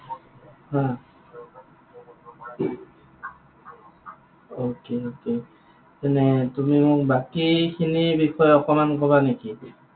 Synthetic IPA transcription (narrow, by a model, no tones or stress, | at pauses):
hã | okeoke | tɛnɛtumimʊk̚bakikʰinibixʰɔjɔkɔmankɔβaneki